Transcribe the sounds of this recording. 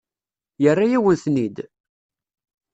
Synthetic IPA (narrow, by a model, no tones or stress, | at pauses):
jərːajæwənθnid̪